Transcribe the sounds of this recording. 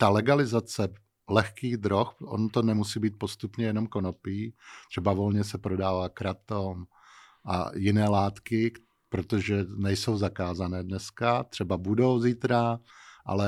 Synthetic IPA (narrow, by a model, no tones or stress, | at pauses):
t̪alɛɡalɪzat͡sɛ | lɛxkiːɣd̪ɾoxʔo̰not̪onɛmusiːbiːt̪̚po̞st̪upɲɛjɛnomko̞nopiːt̪̝ɛbavo̞lɲɛsɛpɾodaːvaːkɾat̪om | ʔa̰jɪnɛːlaːt̪kɪ | pɾo̞t̪oʒɛnɛjso̞wzakaːzanɛːdnɛskat̪r̥ɛbabudo̞wziːt̪ɾaʔa̰lɛ